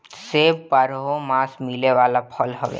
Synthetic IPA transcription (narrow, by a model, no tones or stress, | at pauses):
seːbpəɾɦomãːsmileʋaːlapʰəlɦo̰ʋḛ